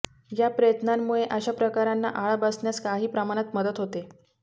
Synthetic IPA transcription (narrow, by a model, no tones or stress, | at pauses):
japɾəjət̪namːuɭeʔəɕapɾəkaɾanːa̰ʔaɭabəsɳjaskaɦiːpɾəmaɽ̃ət̪məd̪ət̪ɦot̪e